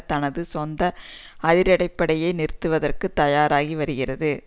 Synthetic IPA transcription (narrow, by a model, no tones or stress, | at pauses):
t̪ɐnɐðɯsɔnd̪ɐɐðɪɾɐɽɐɪpːɐɽɐjɐɪnɪɾɯt̪ːɯʋɐðɐrkɯt̪ːɐjaːɾaːɣiʋɐɾɯɣɪrɐðɯ